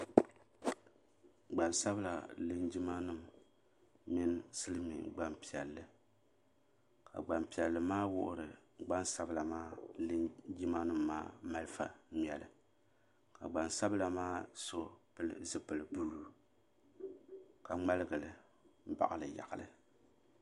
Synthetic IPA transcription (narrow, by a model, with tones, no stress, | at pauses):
ɡ͡ba˨nsa˦bɨ˦la˨lɨ˦nd͡ʒi˦ma˦nɨ˦mː | ɪ˦n˦sɨ˦lɨ˦mḭ˨ɡ͡ba˦mpi˨ɛ˨lːɨ˨ | ka̰˨ɡ͡ba˨mpi˨ɛ˨lːɨ˨maː˦wʊ˦ʔʊ˦ɾɨ˨ɡ͡ba˦nsa˦bɨ˦la˨maː˦lɨ˦nd͡ʒi˦ma˦nɨ˦mːa̰ː˦ma˦lɨ˦fa̰˨˦˨ɛ˨lɨ̰˨ | ka̰˨ɡ͡ba˨nsa˦bɨ˦la˨maː˦so˦pɨ˦lɨ̰˦zɨ˦pɨ˨lɨ˨bu˦luː˦ | ka˨ŋ͡ma˦lɨ˦ɡɨ˨lɨ˨ | m̩˦ba̰˨ʔɨ˦lɨ˨ja̰˨ʔɨ˨lɨ̰˨